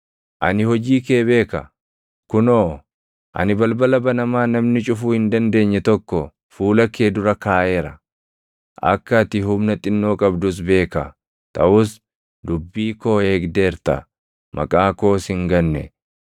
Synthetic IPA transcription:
ʔɐ̰nɪhɔd͡ʒiːkeːbe̞ːkɐ̰ | kʊnoː | ʔɐ̰nɪbɐlbɐlɐbɐnɐmaːnɐmnɪt͡ʃʼʊfuːhɪnd̪ɐnd̪e̞ːɲːɛt̪ɔkːɔ | fuːlɐkːe̞ːd̪ʊɾɐkaːʔeːɾɐ | ʔɐ̰kːɐt̪ɪɦʊmnɐt̪ʼɪnːo̞ːkʼɐbd̪ʊs̬be̞ːkɐ̰ | t̪ʰʼɐʔʊs | d̪ʊbːiːko̞ːe̞ːɡd̪eːɾt̪ɐ̰ | mʔɐ̰kʼaːko̞ːshɪŋɡɐnːɛ̰

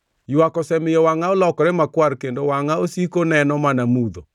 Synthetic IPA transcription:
jwakɔsɛmɪjɔwaŋaolɔkɔɾemakwaɾkendowaŋaosikonɛnɔmanamuðo

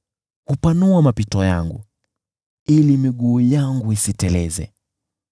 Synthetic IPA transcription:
hupanuamapitɔjaŋɡṵ | ilimiɠuːjaŋɡuisitɛlɛzɛ̰

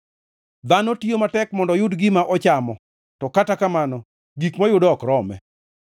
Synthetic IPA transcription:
d̪anɔtiomatɛkmɔndɔjʊdɡɪmaʔɔt͡ʃamɔ | tɔkatakamanɔ | ɡikmajʊdɔkɾɔmɛ̰

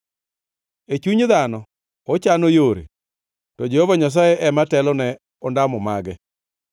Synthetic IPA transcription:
et͡ʃuɲðanɔ | ot͡ʃanojoɾḛ | tɔd͡ʒehovaɲas̬ajeʔɛmatɛlɔnɛ | ɔndamɔmaɡɛ

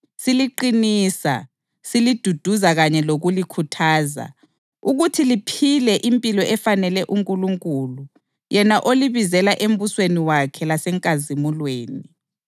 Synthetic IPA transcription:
siliǃiniːsa̰ | silid̥ʱud̥ʱuzaɣaɲɛloɣulikʰutʰaːza̰ | uɣutʰilipʰilɛʔimpʼilɔʔɛfanɛlɛʔuŋkʼuluŋkʼulu | jɛnaʔoliβizɛlaʔem̩busweniwakʰɛlasɛŋkʼazimulweːni

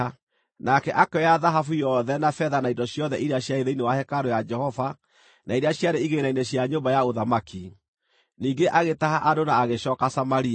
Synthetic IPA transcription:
nakɛʔakɔjaðaɦafujɔðɛnafɛðanaindɔɕjɔðɛʔiɾeaɕjaeðeinewahɛkaɾojad͡ʒɛhɔva | naiɾeaɕjaɾeiɣenainɛɕjaɲoːmbajaoðamakʰi | niːɡeʔaɣetaɦaʔadonaːɣeɕɔːkasamaɾia

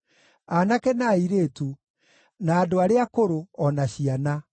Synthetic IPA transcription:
anakɛnaiɾeːtu | naːdoaɾeakoɾoɔnaɕiana

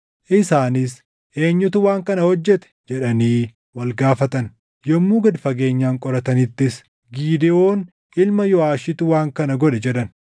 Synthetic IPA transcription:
ʔɪsaːnɪs | ʔe̞ːɲːʊt̪ʊwaːŋkɐnɐhɔd͡ʒːɛt̪ɛ̥d͡ʒɛᶑɐniː | wɐlɡaːfɐt̪ɐn | jɔmːuːɡɐd̪fɐɡe̞ːɲːaːŋkʼɔɾɐt̪ɐnɪt̪ːɪs | ɡiːd̪ɛʔo̞ːn | ʔɪlmɐjɔaːʃɪt̪ʊwaːŋkɐnɐɡɔᶑɛd͡ʒɛᶑɐn

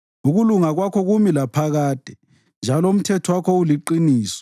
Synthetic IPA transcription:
uɣuluŋaɣwakʰɔɣumilapʰaɣaːd̥ʱɛ | nd͡ʒʱaloum̩tʰɛtʰɔwakʰɔuliǃiniːsɔ̥

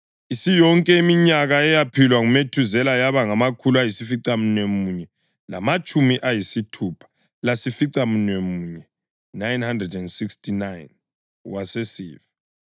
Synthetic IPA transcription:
isijɔŋkʼɛimiɲaɣaɛjapʰilwaŋumetʰuzɛlajaβaŋamakʰuluajisifiǀamunemuɲɛ | la̰mat͡ʃʼumiʔajisitʰupʰḁ | lasifiǀamunwemuːɲɛː | ajnhandrɛdɛndsikstʰinajn | wasesḭːvi

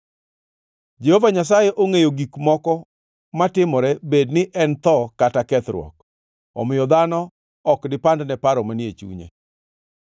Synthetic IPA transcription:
d͡ʒehovaɲas̬ajɛʔoŋejoɡikmɔkɔ | matɪmɔɾɛbednɪʔɛnt̪ɔkatakɛt̪ɾwɔ̰k | ɔ̰mɪjɔd̪anɔ | ɔkdɪpandnɛpaɾɔmanjet͡ʃṵɲḛ

